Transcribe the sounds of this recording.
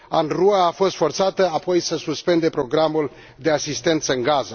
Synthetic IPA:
anruaːfo̞st̪fo̞rt̪sat̪əapo̞jsəsuspe̞nd̪e̞pɾo̞ɡɾamul | d̪e̞asist̪e̞nt̪səɨŋɡazə

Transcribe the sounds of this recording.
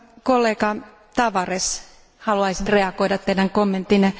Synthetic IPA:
kolːeːkɑ | t̪ɑʋɑres | hɑluɑisit̪reɑkoidɑt̪t̪edæŋkomːent̪ːine

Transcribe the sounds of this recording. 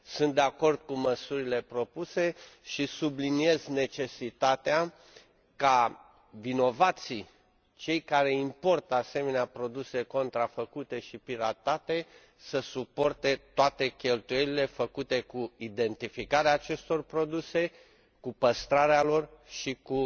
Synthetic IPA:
sunt̪̚d̪eako̞rd̪̥̚kuməsuɾile̞pɾo̞puse̞ʃisublinie̞zne̞t͡ʃe̞sit̪at̪ea | ka | vino̞vat̪si | t͡ʃe̞jkaɾe̞impo̞rt̪əase̞me̞neapɾo̞d̪use̞ko̞nt̪ɾafəkut̪e̞ʃipiɾat̪at̪e̞ | səsupo̞rt̪e̞t̪oat̪e̞kʲe̞lt̪uje̞lile̞fəkut̪e̞kuid̪e̞nt̪ifikaɾeaːt͡ʃe̞st̪o̞rpɾo̞d̪use̞ | kupəst̪ɾaɾealo̞rʃiku

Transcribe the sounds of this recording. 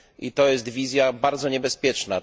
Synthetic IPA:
ʔḭt̪ɔjɛst̪vʲizʲjabaɾd̪zɔɲɛbɛspʲjɛt͡ʂna

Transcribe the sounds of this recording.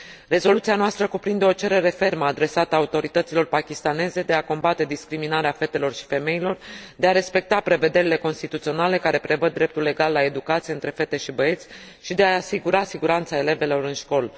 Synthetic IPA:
re̞zo̞lut̪sianoast̪ɾəkupɾind̪e̞o̞t͡ʃe̞ɾe̞ɾe̞fe̞rməad̪ɾe̞sat̪əaut̪o̞ɾit̪ət̪silo̞rpakʲist̪ane̞ze̞d̪e̞ako̞mbat̪e̞d̪iskɾiminaɾeafe̞t̪e̞lo̞rʃi̥fe̞me̞ilo̞rd̪eaɾe̞spe̞k̚t̪apɾe̞ve̞d̪e̞ɾile̞ko̞nst̪it̪ut̪sio̞nale̞kaɾe̞pɾe̞vəd̪̚ːɾe̞p̚t̪ulːe̞ɡalːae̞d̪ukat̪sijeɨnt̪ɾe̞fe̞t̪e̞ʃibəe̞t̪sʲ | ʃid̪e̞aːsiɡuɾasiɡuɾant̪sae̞le̞ve̞lo̞ɾɨnʃko̞l

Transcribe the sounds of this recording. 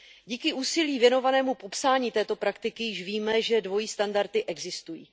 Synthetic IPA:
ɟiːkɪʔuːsɪliːvjɛno̞vanɛːmupo̞psaːɲiːt̪ɛːt̪o̞pɾakt̪ɪkɪjɪʃviːmɛʒɛdvo̞jiːst̪andaɾt̪ɪʔɛɡzɪst̪ujḭː

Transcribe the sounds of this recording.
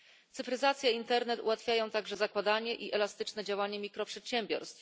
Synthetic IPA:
t̪sɘfɾɘzat̪sʲjɛint̪ɛɾnɛt̪ṵwat̪fʲjajɔ̃w̃t̪aɡʐɛzakwad̪aɲɛʔiʔɛlast̪ɘt͡ʂnɛd͡ʑawaɲɛmʲikɾɔpʂɛt̪ɕɛmʲbʲjɔ̰ɾst̪f

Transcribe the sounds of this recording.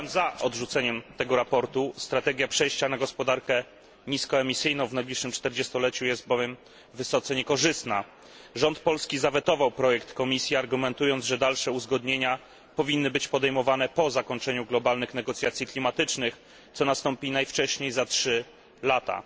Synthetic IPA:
ɛmzaʔɔd̪ʐut̪sɛɲɛmt̪ɛɡɔɾapɔɾt̪ust̪ɾat̪ɛɡʲjapʂɛjɕt͡ɕanaɡɔspɔd̪aɾkɛ | ɲiskɔɛmʲisɘjnɔ̃w̃vnajblʲiʂːɘmt͡ʂt̪ɛɾd͡ʑɛst̪ɔlɛt͡ɕujɛst̪̚bɔvʲjɛm | vɘsɔt̪sɛɲɛkɔʐɘst̪na | ʐɔnt̪pɔlskʲizavɛt̪ɔvawpɾɔjɛkt̪kɔmʲisʲjiaɾɡumɛnt̪ujɔnd̪ʐɛd̪alʂɛuzɡɔd̪ɲeɲa | pɔvʲinːɘbɘt͡ɕpɔd̪ɛjmɔvanɛpɔzakɔɲt͡ʂɛɲuɡlɔbalnɘxnɛɡɔt̪sʲjat̪sʲjiklʲimat̪ɘt͡ʂnɘx | t̪sɔnast̪ɔmpʲinajft͡ʂɛɕɲejzatʂɘ | lat̪a̰

